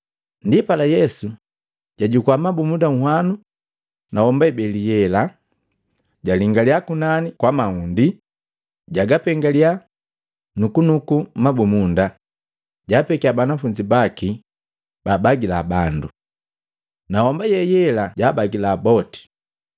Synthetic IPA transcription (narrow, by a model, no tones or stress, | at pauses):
ndipalajɛsu | ɟ̥aɟukuwamabumundaŋ̩hwanu | nahɔmbaɛbɛlijɛla | ɟaliŋɡaliakunanikwamaundi | ɟaɡapɛŋɡalia | nukunukumabumunda | ɟaːpɛkiabanafuɲd͡ʒibaki | baːbaɡilabandu | nahɔmbajɛjɛlaɟaːbaɡilaːbɔti̥